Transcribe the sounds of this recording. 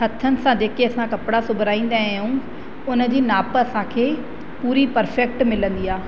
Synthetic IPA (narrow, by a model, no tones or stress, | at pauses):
ɦɐt̪ʰənɪ̆sãd͡ʑeːkeɐsãkɐpɽasʊbʱɾaːĩːn̆d̪ajũ | ʊnə̆d͡ʑiːnaːpəɐsãkʰeː | puːɾipɐɾfɛk̚ʈmɪlə̃nd̪iaː